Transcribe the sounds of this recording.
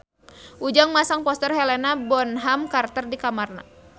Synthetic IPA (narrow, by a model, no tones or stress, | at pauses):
ʔud͡ʒaŋmasaŋpɔst̪ərɦɛlɛnabɔnɦamkart̪ərdikamarna̰